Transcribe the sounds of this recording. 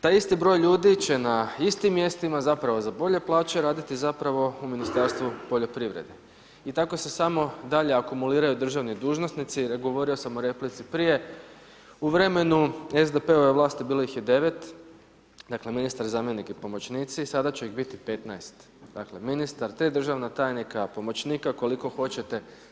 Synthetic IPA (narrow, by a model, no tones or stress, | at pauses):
t̪ajist̪ibɾo̞ːjʎuːd̪it͡ɕe̞naist̪imːje̞st̪imazapɾaʋo̞zabo̞ʎe̞plˠaːt͡ɕeɾaːd̪it̪izapɾaʋo̞uminist̪aɾst̪ʋupo̞ʎo̞pɾiʋɾḛd̪e̞ | it̪ako̞se̞samo̞d̪aʎe̞akumuliːɾajud̪r̩ʒaʋnid̪uːʒnosnit̪siɡo̞ʋo̞ɾio̞samoɾe̞plit̪sipɾije̞ | uʋɾe̞me̞nue̞zd̪epe̞ojeʋlˠaːst̪ibiːloixjed̪e̞ʋe̞t̪ | d̪akle̞minist̪aɾzaːmjenikipo̞mo̞t͡ɕniːt̪sisad̪at͡ɕuiɣbit̪ipe̞t̪najst̪ | d̪akle̞minist̪aɾt̪ɾiːd̪r̩ʒaʋnat̪aːjnikapo̞mo̞t͡ɕniːkako̞liko̞xo̞t͡ɕe̞t̪e̞